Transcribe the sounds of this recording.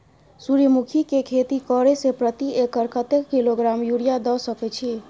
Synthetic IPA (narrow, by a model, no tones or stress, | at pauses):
suɾimukʰikekʰet̪ikɔɾesepɾət̪iekəɾkət̪ekːiloɡɾamjuɽijad̪ɔsəkɛt͡ʃʰi